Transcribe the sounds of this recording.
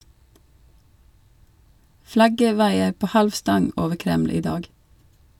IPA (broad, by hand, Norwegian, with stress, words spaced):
ˈflɑɡə ˈʋɑɪə ˈpoː ˈhɑlʋ ˈstɑŋ ˈoːʋə ˈkɾɛml̩ ˈiː ˈdɑːɡ